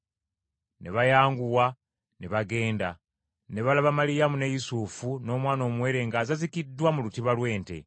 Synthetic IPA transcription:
ne̞βajaːŋɡuwa | neβaɡe̞ːnda | ne̞βalaβamalijamunejusufuno̞ːmwaːno̞ːmwe̞ːɾe̞ŋɡaːzazikidːwamulutiβalwe̞ːnte̞̰

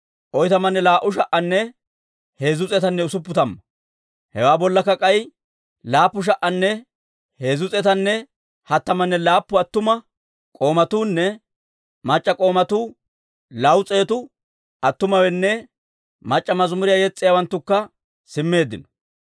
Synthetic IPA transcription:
ʔɔjt̪ɐmɐnːɛlaːʔʊʃɐʔɐnːɛ | he̞ːzʊt͡sʼɛt̪ɐnːɛʊsʊp̬ːʊt̪ɐmːɐ | hɛwaːbɔlːɐkːɐkʼɐj | laːpːʊʃ̬ɐʔːɐnːɛ | he̞ːzʊt͡sʼɛt̪ɐnːɛ | hɐt̪ːɐmɐnːɛlaːpːʊɐt̪ːʊmɐ | kʼo̞ːmɐt̪uːnːɛ | mɐt͡ʃʼːɐkʼo̞ːmɐt̪uː | lɐwʊt͡sʼe̞ːt̪ʊ | ɐt̪ːʊmɐwɛnːɛ | mɐt͡ʃʼːɐmɐzmʊɾɪjajɛt͡sʼːɪjawɐnt̪ːʊkːɐ | sɪmːe̞ːd̪ːɪnɔ̥

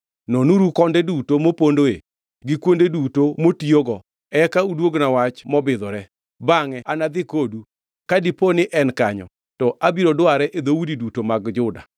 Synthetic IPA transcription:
nonuɾukɔndɛdutomopondoe | ɡɪkwondedutomotioɡɔ | ɛkaudwoɡnawat͡ʃmɔbɪd̪ɔɾɛ | baŋɛanad̪ɪkodu | kadiponɪʔɛnkaɲɔ̰ | tɔʔabiɾodwaɾɛʔed̪owudidutomaɡd͡ʒʊda̰

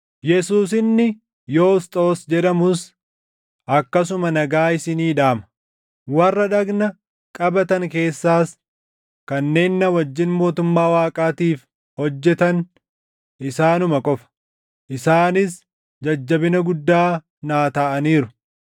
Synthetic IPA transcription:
jɛsuːs̬ɪnːɪ | jo̞ːʊst̪ʼoːsd͡ʒɛᶑɐmʊs | ʔɐkːɐs̬ʊmɐnɐɡaːɪsɪniːᶑaːmɐ̥ | wɐrːɐᶑɐɡnɐ | kʼɐbɐt̪ɐŋke̞ːsːaːs | kɐnːe̞ːnːɐwɐd͡ʒːɪnmo̞ːt̪ʊmːaːwaːkʼaːt̪iːf | hɔd͡ʒːɛt̪ɐn | ʔɪsaːnʊmɐkʼɔfɐ̥ | ʔɪsaːnɪs | d͡ʒɐd͡ʒːɐbɪnɐɡʊd̪ːaː | naːt̪ɐʔɐniːɾʊ

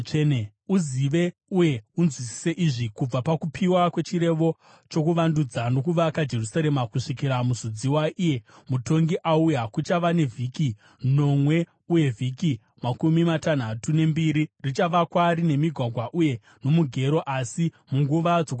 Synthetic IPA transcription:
n | uziʋe̞uje̞unzwisi̥seʔiʐikub͡vapakupʰiwakwe̞t͡ʃiɾe̞ʋo̞ | t͡ʃo̞kuʋandud͡zano̞kuʋakad͡ʒe̞rusaɾe̞makuʂikiɾamuzud͡ziwaʔije̞muto̞ŋɡiʔaujakut͡ʃaʋane̞vʱiki | no̞mwe̞ | uje̞vʱiki | makumimatan̤atune̞mbiɾirit͡ʃaʋakwaɾine̞miɡʱwaɡʱwaʔuje̞ | no̞muɡʱe̞ɾo̞ʔasi | muŋɡuʋad͡zok

